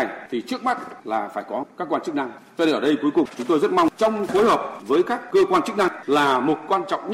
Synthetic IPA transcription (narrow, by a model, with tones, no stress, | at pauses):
t̪ʰi˨˩t͡ɕɨ˦˥ək̚ma˦˥t̚laː˨˩faː˧˩jkɔ˨˦kaː˦˥kːwaː˧nt͡ɕɨ˦˥k̚na˧ŋzɔ˧e˧ʔəː˧˩ɗə˧jku˨˦jkʊ˨˩ŋ͡mt͡ɕʊ˨˦ŋ͡mt̪o˧jzə˦˥t̚ma˧wŋ͡mt͡ɕɔ˧wŋ͡mxo˨˦jɦəː˨˩p̚vəː˨˦jkaː˦˥kːəː˧kwaː˧nt͡ɕɨ˦˥k̚na˧ŋlaː˨˩mo˨˩t̚kwaː˧nt͡ɕɔ̰˧˨wŋ͡mɲ